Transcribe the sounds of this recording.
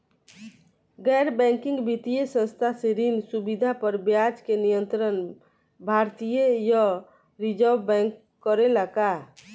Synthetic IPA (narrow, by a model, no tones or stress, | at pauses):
ɡɛːɾbɛ̃ŋkɪ̃ŋɡbit̪ijesə̃nst̪ʰaseɾinsubid̪ʱapəɾbjad͡ʒkenijə̃nt̪ɾən | bʱaɾt̪ijejə | ɾid͡ʒəwbɛ̃ŋkːəɾeləka